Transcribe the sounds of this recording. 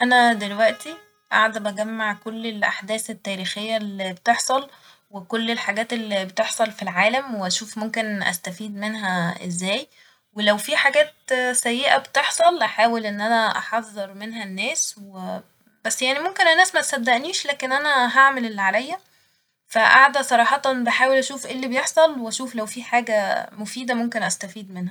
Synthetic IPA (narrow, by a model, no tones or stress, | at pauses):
ʔænæd̪elwæʔt̪i | ʔa̰ʕd̪æbæɡæmːaʕkolːelʔa̰ħd̪æːθet̪ːæːɾiːxejːælːibet̪eħsˤɑl | wekolːelħaɡæːt̪elːibet̪eħsˤɑlfilʕaːlæmweʔæʃuːfmomkenʔæ̰st̪æfiːd̪menɦæʔezːæːj | welæwfiːħaɡæːt̪sæjːeʔæbet̪eħsˤɑlʔæħaːwelʔenːʔænæʔɑ̰ħɑðˤːeɾmenɦænːæːswe | bæsːjaʕnimomkenænːæːsmæt̪sæd̪ːæʔniːʃlæːkenʔænæɦaʕmelelːʕalæjːæ | fæʔaʕd̪æsˤɑɾˤɑːħɑt̪beħaːwelʔæʃuːfʔelːibejeħsˤɑlweæʃuːflæwfiːħaːɡæmofiːd̪æmomkenʔæst̪æfiːd̪menhæ